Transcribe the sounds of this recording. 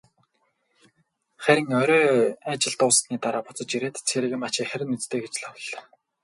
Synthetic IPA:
χæɾʲɪ̆ŋœɾʲɔːat͡ɕɪ̆ɮt̪ʊːs̆t̪niːt̪aɾaːpʊt͡sɞ̆t͡ɕiɾeːt̪ʰt͡sʰxeːɾɘ̆ɣɘ̆mat͡ɕɪːkχæɾʲɪ̆nɵt͡st̪eːɡet͡ɕɮaw̆ɮːḁ̆

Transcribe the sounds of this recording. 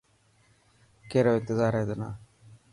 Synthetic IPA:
keɾoːɪnt̪ɪzaːɾed̪əna̰ː

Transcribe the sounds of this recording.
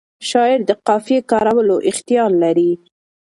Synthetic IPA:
ʃɑɪɾd̪əqɑfjekɑɾawəloʔɪxt̪ɪjɑɾlaɾi

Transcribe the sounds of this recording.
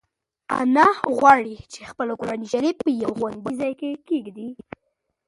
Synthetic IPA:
a̰naɣwɑɽit͡ʃexpəlkoɾɑniʒaɾipəjawɣwanɡ̪̚bəzɑjkekeɡd̪i

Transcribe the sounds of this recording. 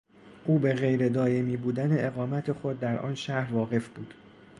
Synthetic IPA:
ʔuːbe̞ɣe̞jɾe̞d̪ɒːje̞miːbuːd̪æne̞ʔeɣɒːmæt̪ʰe̞xo̞d̪ːæɾʔɒ̰ːnʃæhɾvɒːɣe̞fb̥uːd̪̥

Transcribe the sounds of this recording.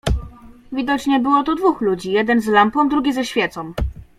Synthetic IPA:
vʲid̪ɔt͡ɕɲɛbɘwɔt̪ud̪vuxlud͡ʑijɛd̪ɛnzlampɔmd̪ɾuɡʲizɛɕfʲjɛt̪sɔm

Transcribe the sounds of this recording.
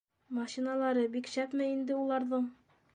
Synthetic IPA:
mɑɕinalˠɑɾɤbikɕæpmɘind̪ɘulˠɑɾðɤɴ

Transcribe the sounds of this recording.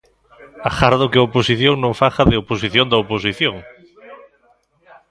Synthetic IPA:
axaɾðokɪaoposiθjõŋnõɱfaxaðeoposiθjõnd̪aoposiθjõŋ

